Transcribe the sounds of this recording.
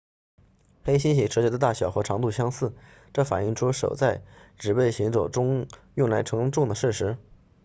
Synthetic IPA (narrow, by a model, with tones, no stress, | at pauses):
xe˥ɪɕi˥ɕi˨˩ʈ͡ʂʰɤ˧˥t͡ɕɥɛ˧˥d̪ə˧t̪a˥˩ɕjɑ˨˩ʊxɤ˧˥ʈ͡ʂʰɑ˧˥ŋt̪u˥˧ɕjɑ˥ŋsɹ̩˥˩ | ʈ͡ʂɤ˥˩fa˨˩ni˥˩ŋʈ͡ʂʰu˥ʂo˨˩ʊt͡sa˥˩ɪʈ͡ʂɻ̩˨˩pe˥˩ɪɕi˧˥ŋt͡so˨˩ʊʈ͡ʂʊ˥ŋjʊ˥˩ŋla˧˥ɪʈ͡ʂʰɤ˧˥ŋʈ͡ʂʊ˥˩ŋd̪ə˩ʂɻ̩˥˩ʂɻ̩˧˥